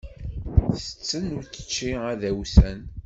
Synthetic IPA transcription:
θə̥t͡sːənʊɾθə̥t͡ʃːiæðæwsæn

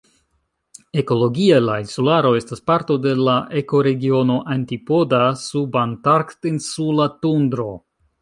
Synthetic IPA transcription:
e̞ko̞lo̞ɡialainsulaɾo̞e̞staspaɾto̞de̞laʔe̞ko̞ɾe̞ɡio̞no̞ʔantipo̞dasubantaɾktinsulatundɾo̞

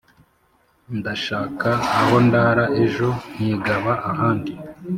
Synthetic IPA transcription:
ndaʃaːkaːho̞ndaːɾaʔeʒo̞n̥iɡaβaʔahaːndi

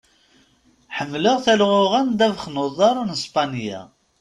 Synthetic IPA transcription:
ħəmːləʁθælʁʊʁænd̪ævχnʊðˤɑɾˤnəspɑnjæ̰

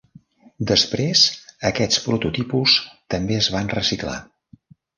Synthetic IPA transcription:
d̪əspɾezəkɛt͡spɾut̪ut̪ipust̪əmbeəzβanrəsikla̰

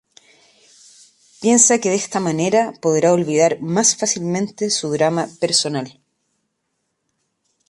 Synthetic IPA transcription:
pje̞nsakeðest̪amaneɾapo̞ðɾao̞lβið̞aɾmasfasilmẽnt̪esuðɾamapeɾso̞nal

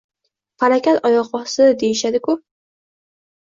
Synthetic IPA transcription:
faɾakʲat̪ɒjɒqɒsɪd̪e̞jɪʃad̪ɪkʊ

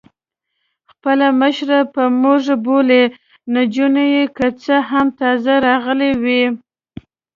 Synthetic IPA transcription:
xpəlaməʃɾapəmuʐbole | nad͡ʒunajekət͡səɦamt̪ɑzaɾɑɣəlewi

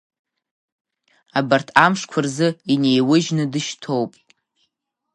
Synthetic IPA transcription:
abartʰamʂkʷʰarzɨinejwʊʒnɨdɨʃtʰo̞wpʼ

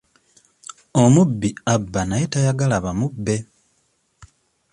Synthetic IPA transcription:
omubːiabːanajetajaɡalaβamubːe̞

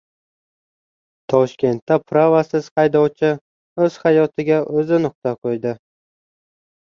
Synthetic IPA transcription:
t̪ʰɒʃkʲe̞nt̪ːapʰɾavasɪz̥hɑjd̪ɒwt͡ʃʰɪ | ɵz̥hɑjɒt̪ʰɪɡʲaʔɵzɪnʊq̚t̪aqʰojd̪ɪ

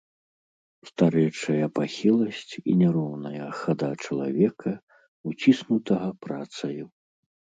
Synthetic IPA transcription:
st̪aɾɛjt͡ʂɐjɐpaxʲilˠɐsʲt͡sʲḭnʲɛɾɔwnɐjɐxad̪at͡ʂɐlˠa̰vʲɛkʰɐ | ut͡sʲisnut̪ɐɣɐpɾat̪sɐju

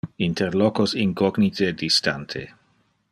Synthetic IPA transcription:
int̪ʰeɾlokosinkɔɡnit̪ʰedist̪a̰nt̪ʰḛ

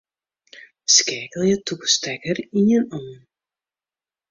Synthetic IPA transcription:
skɛːkəlˠjətukstɛkərinjənɔː

